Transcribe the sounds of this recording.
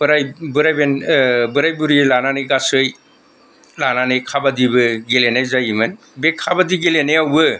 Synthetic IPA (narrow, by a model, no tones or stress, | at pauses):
b̥ɯɾajbɯɾajbenbɯɾajbuɾilananɯjɡasɯj | lananɯjkʰabadibɯɡelenajzajiman | bekʰabadiɡelenajawbɯ